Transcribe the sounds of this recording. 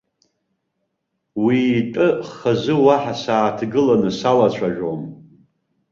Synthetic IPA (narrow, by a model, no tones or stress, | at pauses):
witʼɨχazɨwaħasaːtʰɡɨlanɨsalat͡ɕʷʰaʒᶣom